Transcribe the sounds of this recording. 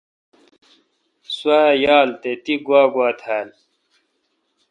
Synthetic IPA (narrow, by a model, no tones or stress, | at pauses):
swaːjaːlt̪et̪iɡwaːɡwaːt̪ʰæːl